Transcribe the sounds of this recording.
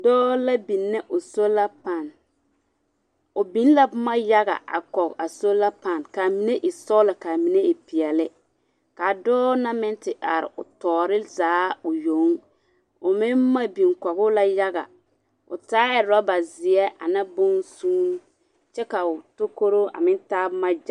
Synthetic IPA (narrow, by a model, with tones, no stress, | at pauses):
dɔː˦la˦bi˨nːɛ˦ʔʊ˨so˦la˦pa˨n | ʊ˨bi˦n˦la˦ma˦ja˦ɣa̰˨ʔa̰˨kɔ˨ka˨so˦la˦pa˨nka˨mi˨ne˦ʔɪ˨sɔ˦la˨ka˨mi˨ne˦ɪ˨pi˨ɛ˨lɪ˦ | ka˨dɔː˦na˦mɪ˦ntɪ˨ʔa˨ɾɪ̰˨ʊ̰˨tɔː˨ɾɪ˦zaː˨˦ʊ˨jo˨˦ŋ | ʊ˨mɪ˦nma˦bi˨nkɔ˨ɣʊ˦la˦ja˦ɣa̰˨ | ʊ̰˨taː˦ɛ˨ɾɔ˦ba˨zɪ˨ɛ˦ʔa̰˨na˦bʊ˦n˦suː˦n˦ | t͡ʃɛ˦ka˨ʊ˨to˦ko˦ɾo˦a̰˨mɪ˦ntaː˦bʊ˦ma˦d͡ʒ